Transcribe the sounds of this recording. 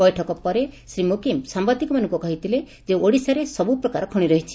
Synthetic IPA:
bɔjʈʰɔkɔpɔɾesɾimokimsambad̪ikɔmanɔŋkukɔɦit̪ʰile | d͡ʒeoɽisaɾesɔbupɾɔkaɾɔkʰɔɽ̃iɾɔɦit͡ʃʰi̥

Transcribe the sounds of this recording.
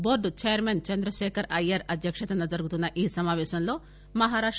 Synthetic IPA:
boːɾɖt͡ʃejɐɾmeːnt͡ʃɐnd̪ɾɐʃeːkʰɐɾɐjɐɾɐd̪ʱjɐkʂɐt̪ɐnɐd͡ʒɐɾɡut̪unːɐʔiːsɐmaːʋeːʃɐmloː | mɐɦaːɾaːʂ

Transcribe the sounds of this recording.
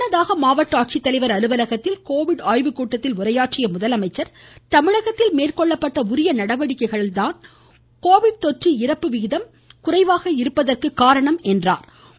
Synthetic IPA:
nɐðaːɣɐmaːʋɐʈːaːʈ̚t͡ʃit̪ːɐlɐɪʋɐɾɐɾɯʋɐlɐɣɐt̪ːɪlkoːʋɪɽaːjʋɯkːuːʈːɐt̪ːɪlʊrɐjaːʈrɪjɐmʊðɐlɐmɐɪt͡ʃːɐɾt̪ɐmɪɻɐɣɐt̪ːɪlmeːrkɔɭːɐpːɐʈːɐʊɾɪjɐnɐɽɐʋɐɽɪkːɐɪɣɐɭɪlt̪aːn | koːʋɪɽt̪ɔʈriɪɾɐpːɯʋɪɣɪðɐm | kʊrɐɪʋaːɣɐɪɾɯpːɐðɐrkɯkːaːɾɐɳɐmɛndra̰ːɾ

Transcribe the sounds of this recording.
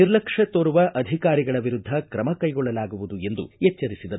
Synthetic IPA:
iɾlɐkʂɐt̪oːɾuʋɐʔɐd̪ʱikaːɾiɡɐɭɐʋiɾud̪ʱːɐkɾɐmɐkɐjɡɔɭːɐlaːɡuʋud̪ue̞nd̪ṵɛt͡ʃːɐɾisid̪ɐɾ

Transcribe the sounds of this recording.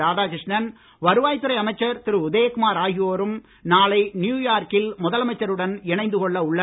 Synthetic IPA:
aːðaːkɾɪʂnɐn | ʋɐɾɯʋaːjt̪ːɯɾɐɪɐmɐɪt͡ʃːɐɾt̪ɪɾɯʊðeːkʊmaːɾaːɣɪjoːɾɯm | naːlɐɪnjuːjaːɾkɪlmʊðɐlɐmɐɪt͡ʃːɐɾɯɽɐnɪɳɐɪnd̪ɯkɔɭːɐʊɭːɐ

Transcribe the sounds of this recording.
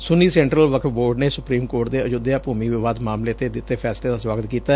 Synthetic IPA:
sʊniːsɛ̃ːɳʈɾəlʋəkʰboːɾɖneːsʊpɾiːmkoːʈd̪eːəd͡ʒʊd̪jaːpuːmiːʋɪʋaːd̪maːmleːt̪eːd̪ɪt̪ːeːpʰɛːsleːd̪aːswaːɡət̪kiːt̪a

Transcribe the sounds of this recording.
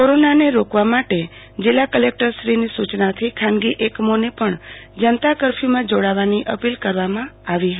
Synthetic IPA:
koɾonaneɾokʋamaʈe | d͡ʒɪlakəlek̚ʈəɾʃɾinisut͡ʃnat̪ʰikʰãnɡiʔekmonepəɳd͡ʒənt̪akəɾfʰimãd͡ʒoɽaʋaniʔəpilkəɾʋamãaʋiɦ̪

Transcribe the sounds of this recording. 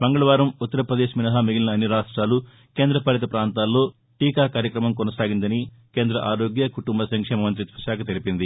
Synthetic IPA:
bɐŋɡɐɭɐʋaːɾɐmut̪ːɐɾɐpɾɐd̪eːʃminɐɦɐmiɡilɐnɐːnːiɾaːʂʈɾaːlu | ke̞ːnd̪ɾɐpɐlɐt̪̬ɐpɾaːnt̪aːlːo̞ː | ʈiːkaːkaːɾjɐkɾɐmɐmkɔnɐsaːɡind̪ɐni | keːnd̪ɾɐʔaːɾo̞ːɡjɐkuʈumbɐsɐŋkʂeːmɐʋɐnt̪ɾit̪ʋɐʃaːkɐt̪elipind̪i

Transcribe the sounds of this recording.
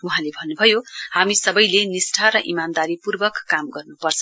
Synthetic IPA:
uɦãlebʱʌnːubʱʌjohamisʌbʌjlenisʈʰaɾʌʔḭmand̪aɾipurbʌkkːamɡʌrnupʌrt͡sʰʌ

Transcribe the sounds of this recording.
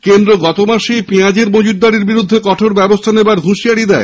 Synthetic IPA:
kend̪ɾoɡɔt̪omaʃejpiãd͡ʑeɾmod͡ʑud̪ːaɽiɾbiɾud̪ʱːekɔʈʰoɾbɛbost̪ʰanebaɾɦuʃiaɽid̪ɛe

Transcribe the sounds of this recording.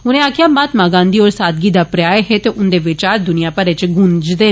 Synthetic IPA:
ʊnẽːaːkʰijãːmat̪maːɡãːnd̪iːoːɾsaːd̪ɡiːd̪aːpɾjaːeɦeːt̪eːʔʊnd̪eːʋɪt͡ʃaːɾd̪ʊnɪjãːpəɾɪt͡ʃɡʊ̃nd͡ʒd̪eː

